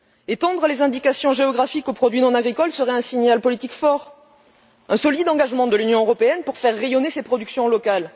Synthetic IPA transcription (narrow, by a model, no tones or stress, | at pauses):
et̪ɑ̃d̪ʁəlezɛ̃d̪ikasjɔ̃ʒeɔɡʁafikopχɔd̪ɥinɔ̃naɡʁikɔlsəʁɛɛ̃siɲalpɔlit̪ikfɔʁ | ɛ̃sɔlid̪ɑ̃ɡaʒmɑ̃d̪əlynjɔ̃øʁɔpeɛnpuʁfɛʁːejɔnesepχɔd̪yksjɔ̃lɔkal